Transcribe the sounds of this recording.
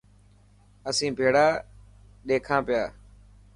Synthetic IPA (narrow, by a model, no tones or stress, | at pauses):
əsĩːbʱeːɽaː | ɗeːkʰãːpɪjaː